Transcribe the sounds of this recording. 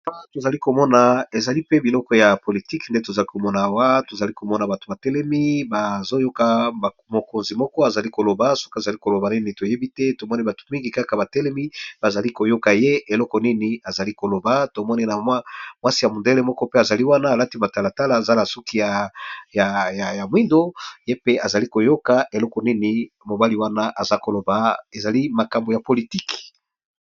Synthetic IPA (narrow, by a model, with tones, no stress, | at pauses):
to˨za˨li˦ko˨mɔ˦na˨e˨za˨li˦pe˦bi˨lɔ˦kɔ˦ja˨po˨li˨ti˦knde˦to˨za˨li˦ko˨mɔ˦na˨wa˦to˨za˨li˦ko˨mɔ˦na˨ba˨to˨ba˨tɛ˦lɛ˦mi˦ba˨zo˦jo˦ka˨ | mo˨ko˨nzi˨mɔ˦kɔ˦a˨za˨li˦ko˨lo˨ba˨so̥˦ka˨za˨li˦ko˨lo˨ba˨ni˦ni˨to˨je˦bi˦tɛ˦to˨mɔ˦ni˦ba˨to̥˨mi˦ŋɡi˨ka˦ka˨ba˨tɛ˦lɛ˦mi˦ba˨za˨li˦ko˨jo˦ka˨je˦e˨lɔ˦kɔ˨ni˦ni˨a˨za˨li˦ko˨lo˨ba˨to˨mɔ˦ni˦na˨ma˦mwa˦si˦˨ja˨mo˨nde˦le˦mɔ˦kɔ˦pe˦a˨za˨li˦wa˦naː˦˨la˦ti˦ba˨ta˨la˨ta˦laː˨za˦la˨su˦ki˦ja˨ja˨ja˨ja˨mwi˦ndo˦je˦pe˦ʔa˨za˨li˦ko˨jo˦ka˨ʔe˨lɔ˦kɔ˨ni˦ni˨ | mo˨ba˦li˦wa˦na˦ʔa˨za˦ko˨lo˨ba˨e˨za˨li˦ma˨ka˨mbo˨ja˨po˨li˨ti˦k